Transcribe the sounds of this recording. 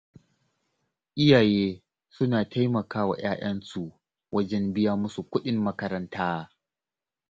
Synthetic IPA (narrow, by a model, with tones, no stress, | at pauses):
ʔɪ˦jaː˨jeː˦ | sʊ˦naː˨tʰa˦jmɐ˨kaː˦wa̰ː˨j̰aː˦ʔɐ˦nsu˨ | wɐ˦d͡ʒɛ˦mbɪ˦jaː˦mʊ˦su˨kʷʊ˦ɗɪ˦mːɐ˦kɐ˦ɾɐ˦ntaː˦˨